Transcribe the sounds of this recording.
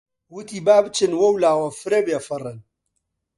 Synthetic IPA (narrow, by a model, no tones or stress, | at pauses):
wʊt̪ibaːbɨt͡ʃɨnwɐwlaːwɐfɨɾɐbjɛfɨrɨn